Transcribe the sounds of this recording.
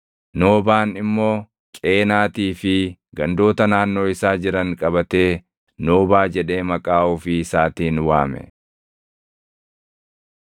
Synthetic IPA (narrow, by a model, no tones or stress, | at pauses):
no̞ːbaːnɪmːo̞ː | kʼe̞ːnaːt̪iːfɪɡɐnd̪o̞ːt̪ɐnaːnːo̞ːɪsaːd͡ʒɪɾɐŋkʼɐbɐt̪e̞ː | noːbaːd͡ʒɛᶑe̞ːmɐkʼaːʊfɪsaːt̪iːnwaːmɛ̰